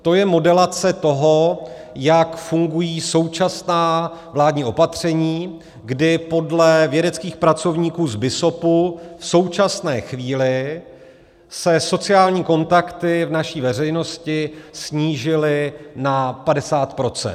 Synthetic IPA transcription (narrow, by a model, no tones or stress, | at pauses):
t̪o̞jɛmo̞dɛlat͡sɛt̪o̞ɦo̞ | jakfuŋɡujiːso̞wt͡ʃasnaːvlaːdɲiːʔo̞pat̪r̝̥ɛɲiː | ɡdɪpo̞dlɛvjɛdɛt͡skiːxpɾat͡so̞vɲiːkuːzbɪso̞pufso̞wt͡ʃasnɛːxviːlɪ | sɛso̞t͡sɪaːlɲiːko̞nt̪akt̪ɪvnaʃiːvɛr̝ɛjno̞scɪsɲiːʒɪlɪnapadɛsaːt̪pɾo̞t͡sɛ̰